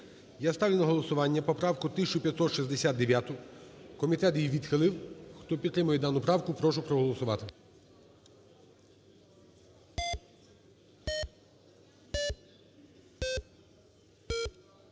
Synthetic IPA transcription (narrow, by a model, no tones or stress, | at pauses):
jast̪ɑʋʲinɐɦɔlˠɔsʊʋɑnʲːɐpɔpɾɑwkʊt̪ɪsʲt͡ʃʊpʲjɐt̪sɔt̪ʃizd̪esʲatd̪eʋʲjat̪ʊkɔmʲit̪ɛt̪jiʋʲid̪xelˠɪwxt̪ɔpʲit̪t̪ːɾɪmʊjɛd̪ɑnʊpɾɑwkʊpɾɔʃʊpɾɔɦɔlˠɔsʊʋɑt̪ɪ